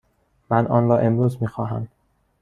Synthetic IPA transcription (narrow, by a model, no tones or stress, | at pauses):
mænʔɒ̰ːnɾɒːʔe̞mɾuːzmiːxɒːɦæ̰m